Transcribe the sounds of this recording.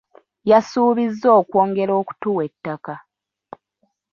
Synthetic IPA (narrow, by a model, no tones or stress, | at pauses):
jasuːβizːoːkwo̞ːŋɡe̞ɾo̞ːku̥tuwe̞tːaka